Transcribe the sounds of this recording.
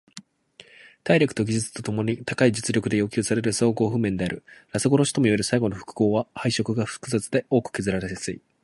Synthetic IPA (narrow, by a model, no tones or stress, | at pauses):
t̪aiɾʲokɯ̟̥t̪o̞ɡʲiʑɨt͡sɨ̥t̪o̞t̪o̞mo̞ɲ̟it̪akaid͡ʑɨt͡sɨɾʲo̞kɯd̪e̞jo̞ːkʲɨːsaɾe̞ɾɯ̟saoɡo̞ːɸɯ̟mẽ̞nd̪e̞aɾɯ̟ɾasɨɡo̞ɾo̞ɕi̥t̪omoieɾɯ̟saiɡo̞no̞ɸɯ̟̥kɯ̟̥ko̞ːβahaiɕo̞kɯ̟ɡaɸɯ̟̥kɯ̟zat͡sɨd̪e̞ʔo̞ːkɯ̟̥ke̞zɨɾaɾesɨḭ